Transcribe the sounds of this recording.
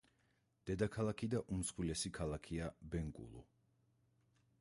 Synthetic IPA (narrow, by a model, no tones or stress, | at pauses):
d̪̥ɛd̪akʰalˠakʰid̪aʔumsχwilɛsikʰalˠakʰiabɛŋkʼṵlˠṵ